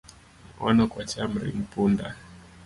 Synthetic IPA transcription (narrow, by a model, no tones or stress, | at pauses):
m̩ɔ̰nɔkwat͡ʃamɾḭm̩punda